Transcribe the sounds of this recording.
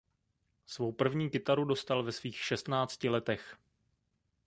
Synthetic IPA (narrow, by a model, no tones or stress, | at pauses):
svo̞wpr̩vɲiːkɪt̪aɾudo̞st̪alvɛsviːxʃɛst̪naːt͡scɪlɛt̪ɛx